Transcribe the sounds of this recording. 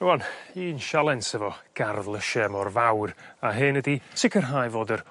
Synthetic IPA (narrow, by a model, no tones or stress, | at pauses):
nəwɔniːnʃalˠɛnsɛvɔɡ̥arðlˠəʃɛmɔrvawraɦɨnəditʰɪkʰərɦajvoːdər